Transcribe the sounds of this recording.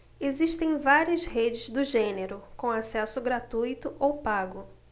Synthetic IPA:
eziʃt̪ẽj̃vaɾiɐzhed͡ʒɪzd̪ʊʒẽneɾʊkõw̃asɛsʊɡɾat̪ujt̪ʊʔowpaɡʊ

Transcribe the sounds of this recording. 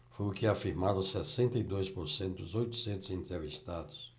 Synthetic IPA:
fojʊkɪafiɾmaɾõsɛsẽnt̪ɐid̪ojspoɾsẽnt̪ʊd̪ʊzojt̪u̥sẽnt̪ʊzĩnt̪ɾevist̪ad̪ʊs

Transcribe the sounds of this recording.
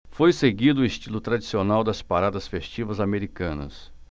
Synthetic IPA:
fojseɡid̪ʊest͡ʃilʊt̪ɾad͡ʒisionawd̪ɐspaɾad̪ɐsfest͡ʃivɐzameɾikɐ̃nɐ̰s

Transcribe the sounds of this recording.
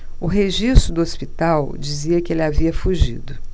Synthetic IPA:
ʊɦeʒist̪ɾʊd̪ʊospit̪awd͡ʒiziɐkɪelɪaviɐfuʒḭd̪ʊ

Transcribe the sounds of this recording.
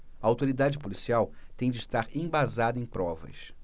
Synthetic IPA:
ɐawt̪oɾid̪ad͡ʒɪpolisiawt̪ẽj̃d͡ʒɪʃt̪aɾẽj̃bazad̪ɐẽj̃pɾɔvɐ̰s

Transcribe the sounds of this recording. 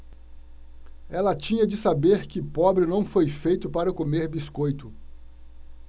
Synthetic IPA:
ɛlɐt͡ʃĩɲɐd͡ʒɪsabeɾkɪpɔbɾɪnɐ̃w̃fojfejt̪ʊpaɾɐkomeɾbiskojt̪ʊ

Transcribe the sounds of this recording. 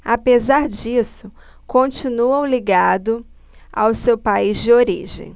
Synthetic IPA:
apezaɾd͡ʒisʊ | kõt͡ʃinuɐ̃w̃liɡad̪ʊ | a̰wsewpaizd͡ʒɪoɾḭʒḛ̃j̃

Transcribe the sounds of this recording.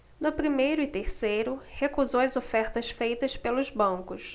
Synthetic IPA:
nʊpɾimejɾʊɪt̪eɾsejɾʊhekuzowɐzofɛɾt̪ɐsfejt̪ɐspelʊzbɐ̃kʊs

